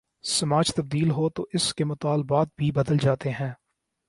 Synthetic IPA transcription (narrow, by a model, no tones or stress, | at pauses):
sɐmaːd͡ʒt̪ɐb̚d̪iːlɦot̪oʔɪskemʊt̪aːlbaːt̪̚bʱibɐd̪əld͡ʒaːt̪eɦɛ̃ː